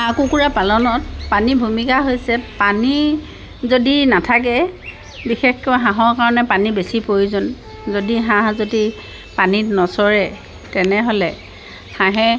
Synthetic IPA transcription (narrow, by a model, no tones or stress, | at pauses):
ãkukuɹapalɔnɔt̚panibʱumikaɦojsɛpani | zodinatʰak̬ɛ | bixexkɔɦãɦɔɹkaɹɔnɛpanibesipoizʊn | zodiɦãɦzodi | panitnɔsɔɹɛ | tɛnɛɦolɛ | hãɦɛ